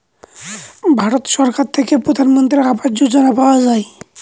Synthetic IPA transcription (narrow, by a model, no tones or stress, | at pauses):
bʱaɾot̪ʃɔɾkaɾt̪ʰekepɾod̪ʱanmɔnt̪ɾiabad͡ʒd͡ʒod͡ʒanapawad͡ʒae